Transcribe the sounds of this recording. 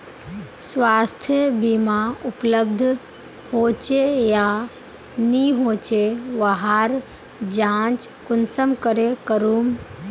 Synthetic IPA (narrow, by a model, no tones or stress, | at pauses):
sʋaːst̪ʰjəbimaʊpləbd̪ʱ | hoːt͡ʃeja | niɦoːt͡ʃeʋaɦaɾ | d͡ʒãːt͡ʃkʊnsəmkəɾekəɾuːm